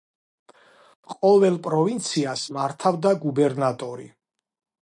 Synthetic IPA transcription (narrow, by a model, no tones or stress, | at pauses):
qʼɔvɛlˠpʼɾɔvint̪sʰiasmaɾt̪ʰavd̪aɡubɛɾnat̪ʼɔɾḭ